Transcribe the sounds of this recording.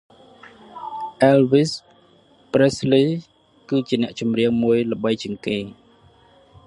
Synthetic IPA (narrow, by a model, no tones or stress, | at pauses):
ʔɛlʋis | presliː | kɨːt͡ɕiənɛ̆əʔt͡ɕumriəŋmuəjlə̆ɓəjt͡ɕiəŋkeː